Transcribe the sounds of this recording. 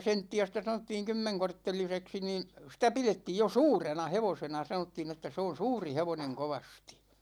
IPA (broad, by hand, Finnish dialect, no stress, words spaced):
sentːiæ sitæ sɑnotːiːŋ kymːeŋkortːeliseksi niːn sitæ piletːiːj jo suːrenɑ heʋosenɑ sɑnotːiːn etːæ se on̞ suːri heʋoneŋ koʋɑsti̥